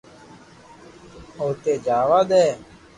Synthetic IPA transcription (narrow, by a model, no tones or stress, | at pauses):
oːt̪eːd͡ʒaːʋaːd̪ɛː